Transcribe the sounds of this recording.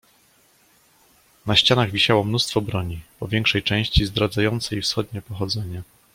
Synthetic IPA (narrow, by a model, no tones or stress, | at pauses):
naɕt͡ɕanaɣvʲiɕawɔmnust̪fɔbɾɔɲipɔvʲjɛŋkʂɛjt͡ʂɛ̃w̃ɕt͡ɕizd̪ɾad̪zajɔnt̪sɛifsxɔd̪ɲɛpɔxɔd̪zɛɲa